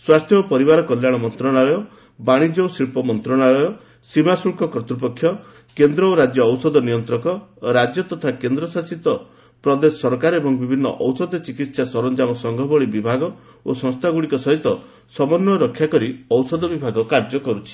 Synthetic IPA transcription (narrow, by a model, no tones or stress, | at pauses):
swast̪ʰjɔɔpɔɾibaɾɔkɔljaɭ̃ɔmɔnt̪ɾɔɽaɭɔjɔ | baɽ̃id͡ʒosiɭpɔmɔnt̪ɾɔɽ̃aɭɔjɔ | simasuɭkɔkɾɔt̪ɾup̬ɔkʰːjɔ | kend̪ɾɔoɾad͡ʒjɔːwsɔd̪ɔnijɔnt̪ɾɔkɔɾad͡ʒjɔt̪ɔt̪ʰakend̪ɾɔsasit̪ɔ | pɾɔd̪esɔɾkaɾebɔŋbibʱinːɔ̰ʔɔwsɔd̪ɔt͡ʃikit̪sasɔɾɔnd͡ʒamɔsɔŋɡʱɔbɔɭibibʱaɡɔ | osɔ̃ŋst̪ʰaɡuɽikɔsɔɦit̪ɔ | sɔmɔnːɔɾɔkʰːjakɔɾiɔwsɔd̪ɔbibʱaɡɔkaɾd͡ʒɔkɔɾut͡ʃʰi̥